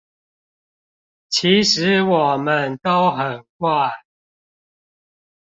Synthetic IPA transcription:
t͡ɕʰi˨˦ʂɻ̩˨˦wɔ˨˩mə˦nt̪o˦ʊxə˨˩nkwa˥˩ɪ

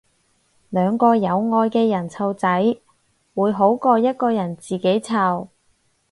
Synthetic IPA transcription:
lœː˨˧ŋkɔː˧jɐ˨˧wŋɔː˧jkɛː˧jɐ˨˩nt͡sʰɐ˧wt͡sɐ˨˥j | wuː˨˧jɦo˨˥wkɔː˧jɐ˥t̚kɔː˧jɐ˨˩nt͡siː˨ke˨˥jt͡sʰɐ˨w

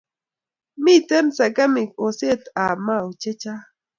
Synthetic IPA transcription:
mi˦tɛ˦nsa˨ɡa˦mɪ˨k̚o˨se˦˨t̪a˨ma˦˨u˨t͡ʃe˦t͡ʃa˦

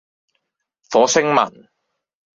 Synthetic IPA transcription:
fɔː˨˥sɪ˥ŋmɐ̰˨˩n

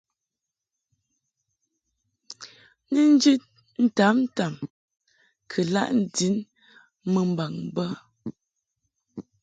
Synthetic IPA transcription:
ni˦n̩˦d͡ʒi˦t̚ | n̩˦ta˨˦pn̩˦ta˨m | kʰə˨la̰˦ʔn̩˨di˨˦n | mə˨m̩˨ba˨ŋ˨bə˦

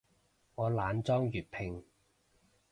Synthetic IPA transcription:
ŋɔː˨˧laː˨˧nt͡sɔː˥ŋjyː˨˩t̚pʰɪ˧ŋ

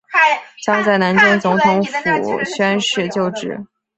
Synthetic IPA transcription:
t͡ɕjɑ˥ŋt͡sa˥˩ɪna˧˥nt͡ɕjɛ˥˩nt͡sʊ˧˥ŋt̪ʰʊ˧˥ŋfu˨˩ɕɥɛ˥nʂɻ̩˥˧t͡ɕjo˥˧ʊʈ͡ʂɻ̩˥˩˦

